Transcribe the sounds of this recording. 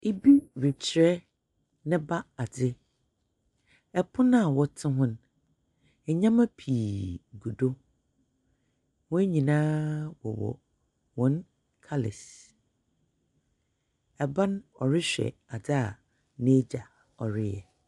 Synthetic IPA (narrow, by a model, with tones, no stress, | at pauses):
e˦bi˦ɾɪ˨t͡ɕʰɪ˨ɾɛ˦ | nɪ̃˦ba˦a˨dɪ˦ | ɛ˨pʰʊ̃˦nã˦a˨wɔ˦tʰɪ̃˦ɦʊ̃˦n | ɛ˨ɲã˦mã˦pʰiː˨ɡu˨do˦ | wɔ̃˦e˦ɲĩ˨nãː˦wɔ̰˨wɔ̰˨ | wɔ̃˦n | kʰa˦lɪ̰˨s | ɛ˨bã˦n˦ɔ̰˨ɾɪ˦ɕᶣɛ̰˨a˨dɪ˦a˨ | nẽ˦d͡ʑa˨ | ɔ˨ɾɪ˦jɛ˨